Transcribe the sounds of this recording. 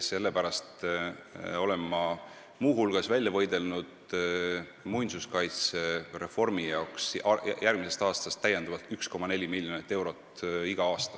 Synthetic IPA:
se̞lːe̞pæɾɑst̪ | o̞le̞mːɑ | muːɦulɡ̥ɑsvælʲjɑvɤjd̪e̞lnud̪̥ | mujnsuskɑjt̪sere̞fo̞rmijɑoksjærɡ̥mise̞st̪ɑːst̪ɑst̪ːæjend̪̥ɑvɑlt̪ːˑyksko̞mːɑne̞lʲimilʲːjo̞nit̪ːe̞wɾo̞t̪ːiɡ̥ɑɑːst̪ɑ̥

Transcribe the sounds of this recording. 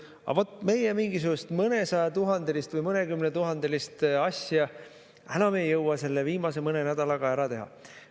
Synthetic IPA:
ɑ̰vo̞t̪ːˑme̞jemiŋɡ̥isuɡ̥ust̪mɤne̞sɑjɑt̪uɦɑnd̪̥elist̪vɯjmɤne̞kymnet̪uɦɑnd̪̥e̞list̪ɑsjɑ | ænɑmejɤwwɑse̞lːeviːmɑse̞mɤne̞næd̪̥ɑlɑɡ̥ɑæɾɑt̪e̞ɦɑ̰

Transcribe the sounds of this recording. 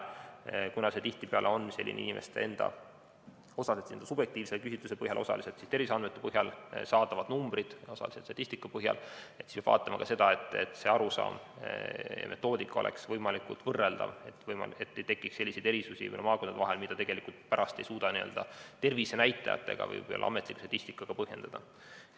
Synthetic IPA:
kunɑse̞t̪iht̪ipeɑlʔeonːmisḛlːḭnʔḭnimʔe̞̰st̪eend̪̥ɑ̰ | o̞sɑset̪send̪ɑsub̥jek̚t̪iːvselkysit̪lusepɤhjɑlʔo̞sɑ̰liset̪sist̪e̞rvisɑnd̪met̪ːˑe̥pɤɦjɑlsɑːd̪ɑvɑd̪̥numbɾid̪̥o̞sɑ̰liset̪st̪ɑt̪ːˑist̪ikːˑɑpɤɦjɑ̰let̪si̥spʲɑb̥vɑ̰ːt̪ːˑɑmɑkɑse̞d̪̥ɑe̞t̪ːˑḛt̪ːse̞ɑɾusɑ̰ːm̰ | mʔe̞t̪ːˑo̞ːd̪ikˑːɑo̞lḛksvɤjmɑlikult̪vɤrːeld̪̥ɑ̰e̞t̪ːˑvɤjmɑ̰e̞t̪ːejt̪e̞kːˑikse̞lʲːisejd̪eɾisusḭnmɑːko̞nd̪ɑɦelmid̪̥ɑt̪e̞ɡ̥e̞likult̪pæɾʔɑst̪e̞jsuːd̪̥ɑniø̞ld̪ɑt̪e̞rvise̞næjt̪ːˑɑ̰jɑ̰t̪ːḛɡ̥ɑ̰vɤ̰jj̰lːʔɑɑ̰me̞t̪ːˑliku̥st̪ɑt̪isʲt̪ikːˑɑɡ̥ɑpɤɦje̞nd̪̥ɑd̪̥ɑ

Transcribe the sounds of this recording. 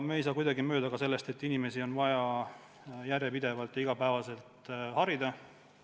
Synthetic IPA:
meejsɑːkujd̪ɑɡimø̞ːd̪ɑkɑse̞lːe̞st̪e̞t̪ːinime̞sio̞nvɑjɑ | jærjepid̪evɑlt̪ˑjɑiɡ̥ɑpæevɑse̞lt̪hɑɾid̪ɑ

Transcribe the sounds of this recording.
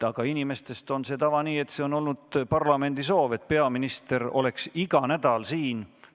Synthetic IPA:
ɑɡ̥ɑinime̞st̪e̞st̪o̞nset̪ɑvɑniːe̞t̪ːseo̞no̞lnud̪̥pɑrlɑme̞nd̪̥iso̞ːve̞t̪̚ːˑpe̞ɑminist̪e̞ɾo̞̰le̞ksiɡ̥ɑnæd̪̥ɑlsiːn

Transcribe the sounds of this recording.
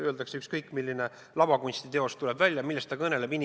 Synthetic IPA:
ø̞ːld̪ɑkseykskɤjkːˑmilʲːine | lɑbɑkunʲst̪it̪e̞o̞st̪ule̞bvælʲjɑmilːest̪ɑkɤne̞le̞binʲ

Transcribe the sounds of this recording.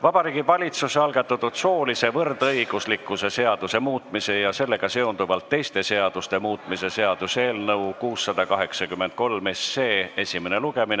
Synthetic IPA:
vɑb̥ɑɾiːɡ̥ivɑlʲit̪suseɑlɡ̥ɑt̪ːˑɑt̪ːud̪̥so̞ːlise̞vɤrd̪ɤjɡ̥uslikːˑuse̞se̞ɑd̪̥use̞muːt̪ˑmise̞jɑse̞lːe̞ɡ̥ɑse̞ond̪uvɑlt̪ːe̞jst̪e̞se̞ɑd̪̥ust̪e̞muːt̪ˑmise̞se̞ɑd̪̥use̞ːlnɤwkuːsːɑd̪̥ɑkɑɦe̞ksɑkymːent̪̚ko̞lme̞sːe̞ːe̞sʲimene̞luɡ̥e̞min

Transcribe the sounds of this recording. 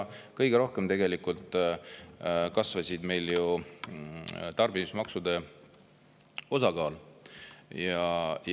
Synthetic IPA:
kɤjɡ̥eɾo̞hke̞mt̪e̞ɡelikult̪ˑ | kɑsvɑsʲid̪me̞jlju | t̪ɑrbinismɑksud̪̥e̞ | o̞sɑɡɑːl | jɑj

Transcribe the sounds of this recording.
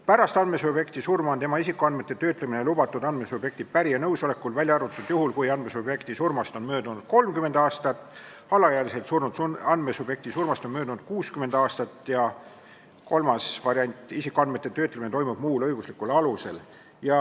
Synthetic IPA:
pæɾɑst̪ɑnd̪me̞subje̞kt̪isurmɑont̪e̞mɑisikːˑuɑnd̪me̞t̪ːˑet̪ø̞ːt̪leminelubɑt̪ːˑud̪̥ɑnd̪me̞sub̥je̞kt̪id̪̥̚pæɾijɑnɤwso̞le̞kːˑulvælʲjɑɾut̪ːˑud̪̥juɦulkujɑnd̪̥mesubje̞kt̪isurmɑst̪o̞nmø̞ːd̪unud̪̥̚ko̞lmkyme̞nd̪̥ɑːst̪ɑt̪ːˑ | ɑlɑjæːlise̞t̪suruɑn̥mesub̥je̞k̚t̪isurmɑst̪o̞nmøːd̪unud̪̥kuːskyme̞nd̪̥ɑːst̪ɑt̪ːˑjɑ | ko̞lmɑsvɑɾjɑnʲt̪ʲˑisikːˑoɑnd̪me̞t̪ːˑet̪ø̞ːt̪lemineojmub̥muːlɤjɡ̥uslikːulɑluse̞̰l | jɑ

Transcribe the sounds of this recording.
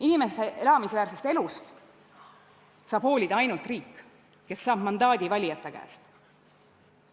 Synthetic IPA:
inimesd̪̥eʔelɑmisvæːɾsest̪e̞lust̪ | sɑːb̥ho̞ːlʲid̪̥ɑjnult̪riːkː | ke̞sːɑːb̥mɑnd̪̥ɑːd̪̥ʲivɑlʲijɑt̪ːˑekæ̰ːst̪

